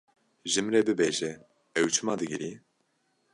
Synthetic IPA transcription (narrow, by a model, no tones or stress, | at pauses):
ʒɨmɾɛbɨbeːʒɛ | ɛwt͡ʃʰɨmɑːd̪ɨɡɨɾi